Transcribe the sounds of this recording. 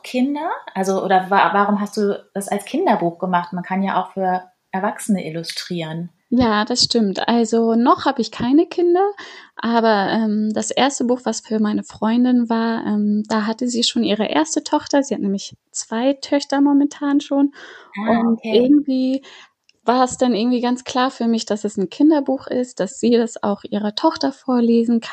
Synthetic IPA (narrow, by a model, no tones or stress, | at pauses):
kʰɪndɐʔʔalzoʔo̰ːdɐvavaʁ̞ʊmɦast̚d̥uːd̥asalskʰɪndɐbuːxɡ̥əmaχtmankʰanjaːʔa̰ʊxfyːɐ | ʔɛɐvaksənəʔɪlʊstʁ̥iːʁən | jaːd̥asʃtɪmtʔalzonɔχhaːbəɪçkʰaɪnəkʰɪndɐʔaːbɐʔɛːmdasʔeːɐstəbuːxv̥asfyːɐmaɪnəfʁ̥ɔʏndɪnvaːɐʔɛmd̥aːɦatəziːʃoːnʔiːʁ̞ə̰ʔḛːɐstətʰɔχtɐziːhatnɛːmlɪçt͡sv̥aɪtʰœçtɐmɔmɛntʰaːnʃoːnʔʊntʔɪɐɡŋ̩tv̥iː | vaːɐɛsd̥anʔɪɡŋ̩tv̥iːɡant͡skl̥aːɐfyːɐmɪçd̥asɛsnkʰɪndɐbuːxʔɪ̰st̚d̥asz̥iːdasa̰ʊxʔiːʁɐtʰɔχtɐfoːɐleːzn̩kʰan